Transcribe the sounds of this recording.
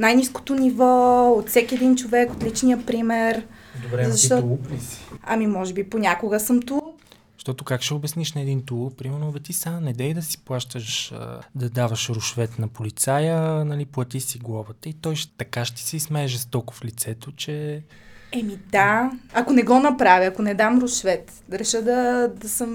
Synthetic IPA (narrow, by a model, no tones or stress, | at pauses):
najnisko̥t̪onivɔot̪fsɛkʲiɛd̪int͡ʃovɛkot̪lit͡ʃnijəpɾimɛɾd̪bɾɛzzɐʃt̪ɔpisi̥ɐ̰mimɔʒɛbiponʲakoɡəsɤmt̪u | ʃt̪ɔt̪ʊkakʃɛobɛsniʃnɛɛd̪int̪upɾimɛɾnovɛt̪isamonɛd̪ɛid̪ɐsi̥plˠaʃt̪əʃd̪ɐd̪avɐʃɾʊʃvɛt̪nɐpolit̪sajənɐliplˠɐt̪isiɡlˠavət̪əit̪ɔjʃt̪ɐkaʃt̪i̥sɛismɛːʒɛst̪ɔko̥flit̪sɛt̪ot͡ʃɛ | ɛmid̪aɐkonɛɡɔnɐpɾaviɐkonɛd̪amɾʊʃvɛt̪ | ɾɛʃəd̪ɐd̪ɐsəm